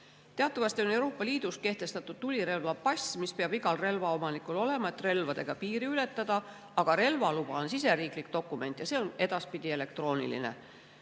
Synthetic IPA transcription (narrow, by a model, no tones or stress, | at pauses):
t̪eɑt̪ːˑɑvɑst̪io̞ne̞wɾo̞ːpːˑɑliːd̪̥ust̪ke̞ht̪e̞st̪ɑt̪ːˑud̪̥t̪ulʲiɾe̞lvɑpɑsʲmispeɑb̥iɡɑlre̞lvɑo̞mɑnikˑulo̞le̞mɑe̞t̪ːˑre̞lvɑd̪e̞ɡ̥ɑpiːɾiyle̞t̪ːɑd̪̥ɑ | ɑɡ̥ɑɾe̞lvɑlub̥ɑonsis̬e̞ɾiːklikt̪o̞kːˑume̞nt̪ˑjɑse̞ːo̞ne̞d̪ɑspid̪ie̞le̞k̚t̪ro̞ːnḭlḭne̞̰